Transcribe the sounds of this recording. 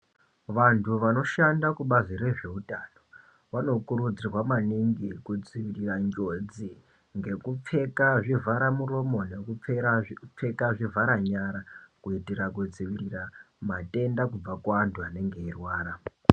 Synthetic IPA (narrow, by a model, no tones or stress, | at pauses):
ʋantʰuʋano̞ʃandakuɓaziɾe̞ʐe̞utʼano̞ | ʋano̞kuɾud͡zirwamaniŋɡikud͡ziʋiriraɲɡod͡zi | ŋɡe̞kup͡fe̞kaʐivʱaɾamuro̞mo̞ne̞kup͡fep͡fe̞kaʐivʱaɾaɲaɾakuitiɾakud͡ziʋirira | matʼe̞ndakub͡vakwaːntʰuane̞ŋɡeirwaːɾa